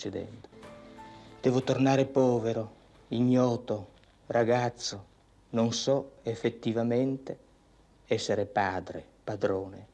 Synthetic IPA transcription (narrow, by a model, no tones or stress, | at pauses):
t͡ʃed̪ɛ̰nd̪o̥ | d̪̥ɛːvot̪ornaːɾepɔːveɾo | iɲːɔːt̪o | rʔaɡat̪sːo | noŋsɔefːet̪ːivamɛnt̪e | ɛsːeɾepaːd̪ɾḛ | pad̪ɾoːnḛ